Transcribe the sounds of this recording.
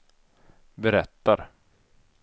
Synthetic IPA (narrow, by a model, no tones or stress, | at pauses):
bɛɾɛt̪ːaɾ